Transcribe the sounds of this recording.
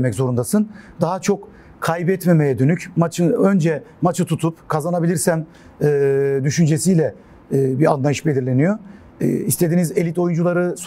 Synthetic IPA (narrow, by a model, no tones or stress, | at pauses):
mɛczo̞ɾund̪asɯnd̪aɦat͡ʃʰo̞k | kʰːajbɛt̪me̞mejɛd̪ø̞nycmat͡ʃʰɯø̞nd͡ʒɛmat͡ʃʰɯt̪ʰut̪ʰupkʰazanabilʲiɾsæmː | d̪yʃynd͡ʒe̞sijlʲɛː | bianlˠajɯʃbelʲiɾlʲe̞nyjo̞̰ | ist̪ʰe̞d̪inize̞lʲit̪o̞jund͡ʒulˠaɾɯs